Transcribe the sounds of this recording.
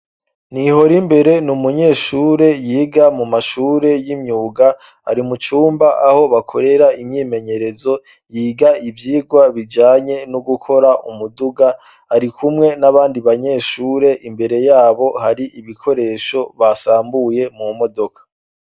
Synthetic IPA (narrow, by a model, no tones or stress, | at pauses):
niho̞ɾimbe̞ɾe̞numuɲe̞ːʃuːɾe̞jiːɡamumaʃuːɾe̞jimɲuːɡa | a̰ɾimut͡ʃuːmbaʔaho̞βakʰo̞ɾeɾaimɲiːme̞ɲe̞ɾe̞zo̞ | jiːɡaivjiːɡwaβid͡ʒaːɲe̞nuɡukʰo̞ɾaʔṵmuduɡa | aɾikʰumŋe̞naβaːndiβaɲe̞ːʃuːɾe̞ʔimbe̞ɾe̞jaːβo̞haɾiʔiβikʰo̞ɾe̞ːʃo̞βasaːmbuje̞mumo̞do̞kʰḁ